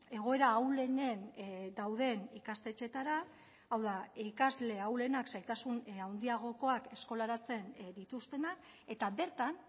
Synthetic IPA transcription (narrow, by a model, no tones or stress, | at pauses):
e̞ɣ̞o̞e̞ɾaːwle̞ne̞nd̪awð̞e̞nikast̪e̞t͡ʃe̞t̪aɾaː | wðaikazle̞awle̞naksajt̪asunawnd̪iaɣ̞o̞ko̞ake̞sko̞laɾat͡se̞nd̪it̪ust̪e̞nak | e̞t̪aβe̞ɾt̪an